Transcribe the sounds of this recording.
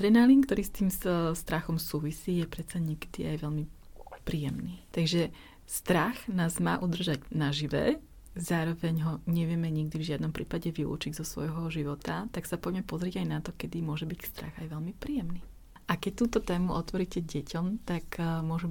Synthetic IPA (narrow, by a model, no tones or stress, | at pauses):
t̪ɾɛnaːlink̚t̪ɔɾiːst̪iːmst̪ɾaxɔmsuːʋisiːjɛpɾɛt̪t͡saɲɛkɛ̥d̪iʔajʋɛlmipɾiːjɛmniːt̪aɡʒɛ | st̪ɾaxnaːzma̰ːʔud̪r̩ʒaɟnaʒiʋɛ̰ | zaːɾɔʋɛɲɦɔɲɛʋɪɛmɛɲiɡd̪ivʒɪad̪nɔmpɾiːpaɟɛʋilṵːt͡ʃiɟzɔsʋɔ̰jɦɔʒiʋɔt̪at̪aksapɔjmɛpɔzɾiɟajnat̪ɔkɛd̪imʊɔʒɛbicst̪ɾa̰ɣajʋɛʎmipɾiːjɛmniː | ʔakɛc̚t̪uːt̪ɔt̪ɛːmuʔɔt̪ʋɔɾicɛɟɛcʰɔmt̪akmʊɔʒu